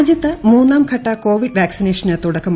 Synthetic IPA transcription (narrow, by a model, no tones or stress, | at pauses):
d͡ʑjɐt̪ːɨmuːnːaːmkʰɐʈːɐkoːʋiɖʋaːksineːʂɐnɐt̪ːuɽɐkːɐm